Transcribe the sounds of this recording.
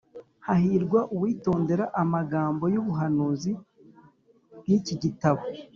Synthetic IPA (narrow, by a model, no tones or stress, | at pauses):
hahiɾɡwaʔuwiːto̞ːnde̞ɾaʔamaɡaːmbo̞juβuɦanuːzi | niciɟitaβo